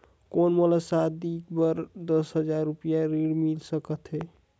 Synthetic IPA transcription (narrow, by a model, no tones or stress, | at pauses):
konməlasad̪ikbəɾd̪əsɦəd͡ʒaɾːupijaɾiɽmilsəkət̪ɦɛ